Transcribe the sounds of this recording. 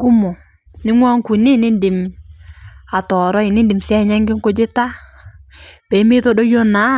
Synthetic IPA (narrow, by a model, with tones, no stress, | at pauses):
ku˦mo˨ | nɪ˦ŋwɔ˦ŋku˨ni˦nɪ˦ndɪ˨m | a˨tɔ˨ɾɔ˦ɪ˨nɪ˦ndɪ˨msɛ˦˨ɲa˦ŋɡɪ˦ŋko˦d͡ʒɪ˦ta˦ | pe˨˦mɪ˦to˦do˦jo˦na˨˦